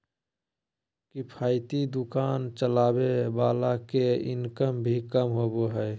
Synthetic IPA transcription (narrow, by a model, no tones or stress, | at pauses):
kipʰaːɪt̪id̪ʊkaːnt͡ʃəlaːbebaːlakeɪ̰nkəmbʱikəmɦoːboɦɛː